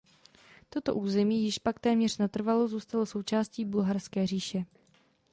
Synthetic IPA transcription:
t̪o̞t̪o̞̰ʔuːzɛmiːjɪʃpak̚t̪ɛːmɲɛr̥nat̪r̩valozuːst̪aloso̞wt͡ʃaːsciːbulɦarskɛːriːʃɛ

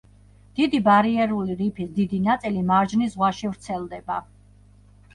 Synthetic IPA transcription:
d̪̥id̪ibaɾiɛɾuliɾipʰisd̪id̪inat̪sʼilimaɾd͡ʒnisʁwaʃivɾt̪sʰɛlˠd̪ɛba

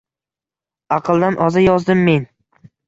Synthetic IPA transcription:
ɑqʰɨlˠd̪anʔɒzajɒzd̪ɪmːe̞n

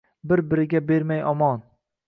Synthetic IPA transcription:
bɪɾbɪɾɪɡʲabe̞ɾmajɒmɒn

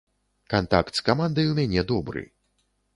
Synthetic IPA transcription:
kant̪akt̪skamand̪ɐjwmʲanʲɛd̪ɔbɾɨ̰

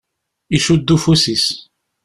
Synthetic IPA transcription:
iʃud̪ːufusis

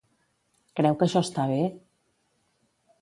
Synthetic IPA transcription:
kɾɛwkəʃɔst̪aβ̞e

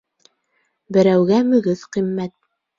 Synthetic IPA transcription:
bɘ̆ɾæwɡæmɵ̆ɡɘðqimːæt̪̚

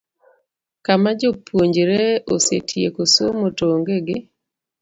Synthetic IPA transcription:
kamad͡ʒopwoɲd͡ʒɾeosḛtʰjekosomotoŋɡeɡɪ

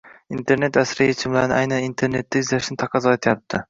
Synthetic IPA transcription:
int̪ʰe̞ɾne̞t̪asɾɪjet͡ʃʰɪmlaɾɪnɪ̰ajnanint̪ʰe̞ɾne̞t̪ʰːɪɪzlaʃnɪt̪ʰɑqʰɑzɒet̪ʰɪjap̚t̪ʰɪ

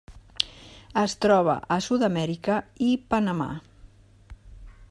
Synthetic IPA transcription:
əst̪ɾɔβ̞ə̰ʔəsuðəmɛɾikəipənəma̰

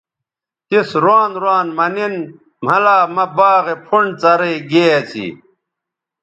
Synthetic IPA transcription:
t̪isɾwaːnɾwaːnmɐnin | m̤ɐlaːmɐbaːɣepʰuɳɖt͡sɐɾeːɡeːɐt͡sʰḭ

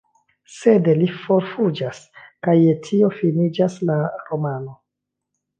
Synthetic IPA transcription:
se̞delifo̞ɾfud͡ʒaskajetʰio̞finid͡ʒaslaɾo̞mano̞

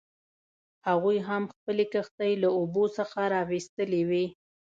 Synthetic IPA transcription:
haɣujɦamxpəlekəxt̪ajlaobosəxaɾɑwist̪əlewi

